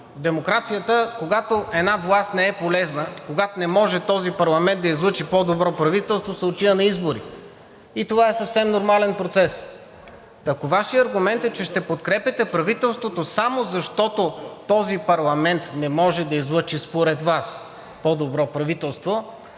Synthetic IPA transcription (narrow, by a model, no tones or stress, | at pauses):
d̪ɛmokɾat̪sijət̪əkoɡat̪oʔɛd̪navlˠast̪nɛɛpolɛznəkoɡat̪onɛmɔʒɛt̪ɔzipɐɾlˠɐmɛnd̪d̪ɐizlˠɤt͡ʃipɔd̪obɾɔpɾɐvit̪ɛlˠst̪vosɐot̪iənɐizboɾḭ | it̪ovaɛsəfsɛmnoɾmalɛnpɾot̪sɛs | ɐkovaʃiɐɾɡʊmɛnt̪ɛt͡ʃɛʃt̪ɛpot̪kɾɛpɛt̪ɛpɾɐvit̪ɛlˠst̪vot̪osamozɐʃt̪ɔt̪ot̪ɔzipɐɾlˠɐmɛnt̪nɛmɔʒɛd̪ɐizlˠɤt͡ʃispoɾɛd̪vas | pɔd̪obɾɔpɾɐvit̪ɛlˠst̪vo